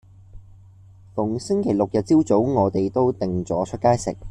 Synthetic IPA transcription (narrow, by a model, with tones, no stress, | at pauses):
fʊ˨˩ŋsɪ˥ŋkʰe˨˩jlʊ˨k̚jɐ˨t̚t͡siː˥wt͡so˨˥wŋɔː˨˧t̪e˨jt̪o˥wt̪ɪ˨ŋt͡sɔː˨˥t͡ʃʰɵ˥kaː˥jsɪ̰˨k̚